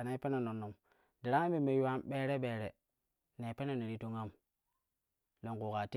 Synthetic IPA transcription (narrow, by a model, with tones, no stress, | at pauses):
a˨na˨˦pe˦no˨no˨nːo˨m | di˨ɾa˦ŋa˦e˦˨me˨ju˦a˦mɓe˦ɾe˦ɓe˨ɾḛ˨ | ne˨pe˦no˦˨ne˨ɾi˦to˦ŋa˦m | lo˨ŋku˨ka˨t